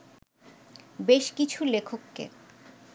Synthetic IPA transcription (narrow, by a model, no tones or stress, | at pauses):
beʃkit͡ɕʰulekʰokːḛ